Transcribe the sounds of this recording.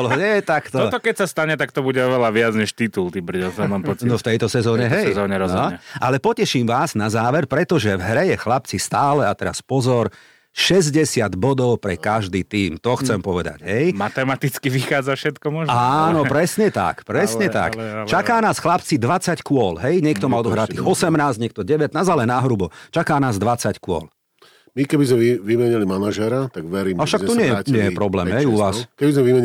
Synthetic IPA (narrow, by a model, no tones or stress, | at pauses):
lɦɔɲɛt̪akt̪ɔɔt̪ɔkɛcsast̪aɲɛt̪ak̚t̪ɔbuɟɛɔʋɛlaʋɪad͡zɲɛʃt̪it̪ult̪ibr̩ɟɛlsɔmampɔt͡snnɔft̪ɛjt̪ɔsɛzɔːɲɛɦɛjɛzɔːɲɛɾɔɔɛʔalɛpɔcɛʃiːmʋaːznazaːʋɛɾpɾɛt̪ɔʒɛvɦɾɛjɛxlap̚t͡sist̪aːlɛat̪ɛɾa̰spɔzɔɾ | ʃɛzɟɛsɪad̪bɔd̪ɔʊpɾɛkaʒd̪iːt̪iːmt̪ɔxt͡sɛmpɔʋɛd̪a̰ɟ̥ɦɛjmat̪ɛmat̪it͡skiʋixaːd͡zafʃɛt̪kɔmɔʒaːnɔpɾɛsɲɛt̪a̰kpɾɛsɲɛt̪a̰kt͡ʃakaːnaːsxlapt͡sid̪ʋat͡sackʊɔlɦɛjɲɪɛkt̪ɔmaɔd̪ɔɦɾat̪ːiːxɔsɛmnaːzɲɛk̚t̪ɔɟɛʋɛt̪naːzalɛnaɦɾubɔt͡ʃakaːnaːzd̪ʋat͡sackʊɔ̰l | mikɛbizmɛiʋimɛɲilimanaʒɛɾat̪aɡʋɛɾiːmafʃak̚t̪ɔɲɛjɛɲɛjɛpɾɔblɛːmɦɛjuʋaːskɛbizmɛʋimɛɲ